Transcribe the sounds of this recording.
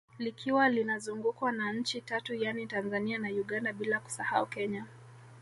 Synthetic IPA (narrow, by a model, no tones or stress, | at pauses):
likʰiwalinazuŋɡukwanaɲ̩t͡ʃitatujanitanzanianajuɠandaɓilaku̥saha̰ukɛɲa